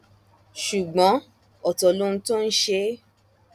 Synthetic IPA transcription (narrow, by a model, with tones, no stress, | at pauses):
ʃu˨ɡ͡bɔ̃˨˦ | ɔ˨tɔ˨lõ˧n̩˧to˦n̩˦ʃe˧˦